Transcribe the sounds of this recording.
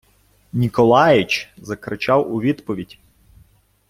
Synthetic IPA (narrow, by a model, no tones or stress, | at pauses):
nʲikɔlˠɑjɪt͡ʃzɐkɾɪt͡ʃɑwʊʋʲid̪pɔʋʲidʲ